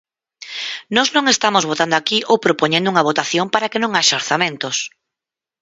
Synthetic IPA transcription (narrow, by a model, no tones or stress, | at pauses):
nɔznõŋest̪amozβot̪and̪ʊakiʔowpɾopoɲẽnd̪uŋɐβ̞ot̪aθjompaɾakenõŋaʃaoɾθamẽnt̪os